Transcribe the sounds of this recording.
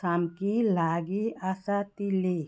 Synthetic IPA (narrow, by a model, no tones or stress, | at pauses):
samkilaːɡiasat̪ile